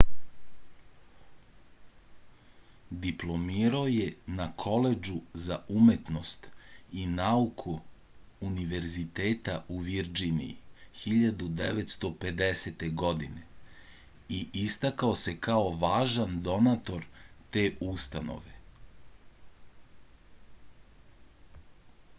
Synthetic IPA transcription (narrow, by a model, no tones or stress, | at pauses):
d̪iplˠo̞miːɾaojenakʰo̞le̞d͡ʒuzaume̞t̪no̞st̪inaukʰuː | niʋe̞ɾzit̪eːt̪auʋiɾd͡ʒinḭḭxiʎad̪ud̪eʋet̪st̪o̞pe̞d̪eset̪e̞ɡo̞d̪ine | iʔist̪akaose̞kao̞ʋaːʒand̪o̞nat̪o̞ɾt̪e̞ːʔust̪ano̞̰ʋe